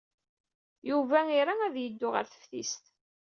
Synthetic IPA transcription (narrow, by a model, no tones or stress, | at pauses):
juvæiɾaæðjəd̪ːʊʁə̰ɾθə̥fθḭst̪